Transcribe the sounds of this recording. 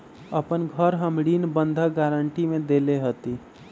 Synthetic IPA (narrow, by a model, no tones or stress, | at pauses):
əpənɡʱəɾɦəmɽiːnbə̃nd̪ʱəɡaːɾəɳʈimẽd̪eːleɦət̪i